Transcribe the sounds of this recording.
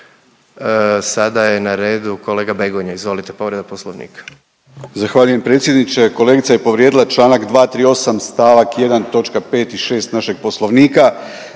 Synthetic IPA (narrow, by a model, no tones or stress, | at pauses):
sad̪ajenaɾe̞ːd̪uko̞leːɡabeɡoɲaizʋo̞lit̪epo̞ʋɾed̪aposlˠoʋnḭːkḁ | zaxʋaːʎuje̞mpɾe̞ːt̪sjed̪nit͡ʃe̞ko̞le̞ɡit̪saje̞po̞ʋɾjed̪ilat͡ʃlˠaːnakd̪ʋaːt̪ɾiːo̞samst̪aːʋakje̞d̪ant̪o̞t͡ʃkape̞ːt̪iʃe̞ːst̪naʃe̞ɡ̥̚po̞slˠo̞ʋniːka